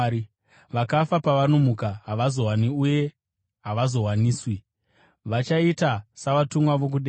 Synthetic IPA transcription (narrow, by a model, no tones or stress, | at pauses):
ʋakafapaʋano̞mukaɦaʋazo̞ɦwaniuje̞ | ɦaʋazo̞ɦwaniːswi | ʋat͡ʃaitasaʋatumwaʋo̞k̬uɗe